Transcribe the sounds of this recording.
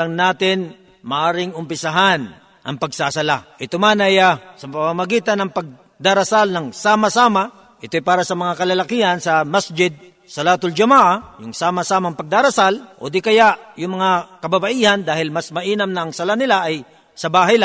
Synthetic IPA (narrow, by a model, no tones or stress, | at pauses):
lɐŋnaːt̪ɪn | mɐʔaːɾɪŋʊmpɪsaɦan | ʔɐŋpɐɡsasɐlaʔɪt̪omanɐjasɐpɐmamɐɡiːt̪ɐnːɐŋpɐɡ̚ | d̪aɾɐsalnɐŋsaːmasaːma | ʔɪt̪ojpaːɾɐsɐmɐŋakɐlɐlɐkiɐnsɐmasd͡ʒɪd̪̚ | sɐlat̪ʊld͡ʒɐmaːʔajʊŋsaːmɐsaːmɐŋpɐɡ̚d̪aɾɐsalʔo̰d̪ikɐjaʔjʊŋmɐŋakɐbabɐʔiːhɐnd̪aːhɪlmasmɐʔiːnɐmnɐːŋsɐlanɪlaʔɐj | sɐbaːɦɐjla